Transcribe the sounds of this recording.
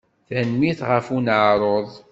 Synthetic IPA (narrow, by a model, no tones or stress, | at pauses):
θænmiθʁəfunʕɾˤoðˤ